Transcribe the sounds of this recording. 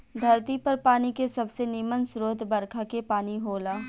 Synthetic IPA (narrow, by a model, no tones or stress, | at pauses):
d̪ʱɐɾt̪ipɐɾpaːnikesɐbsenɪmənsɾoːt̪bɐɾkʰakepaːniɦoːlaː